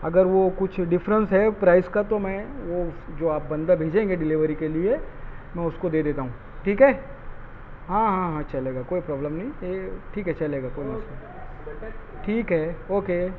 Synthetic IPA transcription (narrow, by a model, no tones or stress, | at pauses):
ɐɡəɾʋokʊt͡ʃʰɖɪfɾə̃nsɦɛpɾaːɪskat̪omɛ̃ʋod͡ʒoːaːp̚bɐ̃nd̪abʱeːd͡ʒẽːŋɡeɖɪlɪʋəɾikelie | mɛ̃ːʊskod̪eːd̪eːt̪aɦũː | ʈʰiːkɦɛː | ɦãːɦãɦãt͡ʃɐleːɡakoːipɾɔːbləmnɐɦĩeːʈʰiːkɦɛt͡ʃɐleːɡakoːimɐsa | ʈʰiːkɦɛoːke